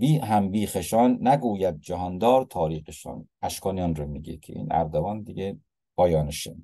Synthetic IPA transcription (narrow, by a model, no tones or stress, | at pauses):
biːɦæmbiːxeʃɒːnːæɡuːjæd̪̚d͡ʒæɦɒnd̪ɒːɾt̪ʰɒːɾiːqeʃɑ̰ːnʔæʃkʰɒːnijɑnɾomiːɡekʰḛʔḭːnæ̰ɾd̪ovɒːnd̪iɡe | b̥ɒːjɒːneʃe